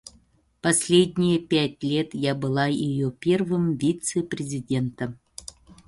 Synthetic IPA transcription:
pɐsʲlʲedʲnʲɪjəpʲæt̚ʲlʲe̞t̪jabɨlˠajɪjopʲe̞rvɨmvʲit̪sɨpɾʲɪzʲɪdʲe̞nt̪ə

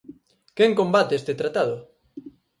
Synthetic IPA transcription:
keŋkombat̪eest̪et̪ɾat̪aðʊ

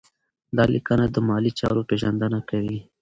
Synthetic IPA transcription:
d̪ɑlikənad̪əmɑlit͡ʃɑ̰ɾopeʒand̪ənakawi

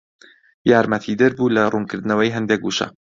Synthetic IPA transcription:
jaːɾmɐt̪ʰid̪ɨɾbuːlɐruːnkʰɨɾd̪ɨnɐwɐjɦɛnd̪ek̚ɡuːʃɐ̰

